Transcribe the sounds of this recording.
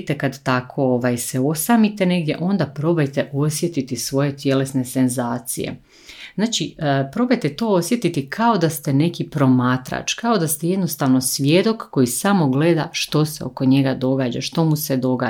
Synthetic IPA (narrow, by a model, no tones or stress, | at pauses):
t̪ekad̪t̪akʰo̞oʋaːjseo̞samit̪ene̞ɡd̪je̞ʔo̞nd̪apɾo̞bajt̪e̞ʔo̞sje̞t̪it̪isʋo̞je̞t̪je̞lesne̞se̞nzaːt̪sḭjḛ | znaːt͡ʃipɾo̞bajt̪et̪o̞ːo̞sje̞t̪it̪ikʰao̞d̪ast̪e̞ne̞kipɾo̞maːt̪ɾa̰t͡ʃkao̞d̪ast̪eje̞d̪no̞st̪aʋno̞sʋje̞d̪o̞kːo̞jisamo̞ɡle̞d̪aʃt̪o̞se̞o̞̰ko̞ɲe̞ɡad̪o̞ɡaːd͡ʑa̰ʃt̪o̞muse̞d̪o̞ɡaː